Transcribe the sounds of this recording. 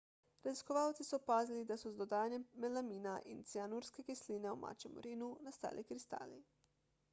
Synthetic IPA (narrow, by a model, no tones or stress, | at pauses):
ɾaziskɔʋawt̪sisɔpaːzilid̪asɔzd̪ɔd̪aːjanjɛmːɛlamiːnaʔint̪sianuɾskɛkisliːnɛuma̰ːt͡ʃɛmṵɾiːnunast̪a̰ːlʔikɾist̪a̰ːli